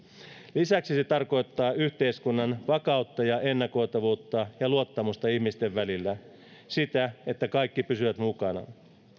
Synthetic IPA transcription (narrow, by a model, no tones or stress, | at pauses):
lisæksise̞t̪ɑrko̞jt̪ːɑːyçt̪eiskunːɑnʋɑkɑut̪ːɑjɑʔe̞nːɑko̞jt̪ɑʋuːt̪ːɑjɑluot̪ːɑmust̪ɑiçmist̪e̞ʋːælilːæ | sit̪æe̞t̪ːækɑjkːipysyʋæt̪mukɑnɑ̰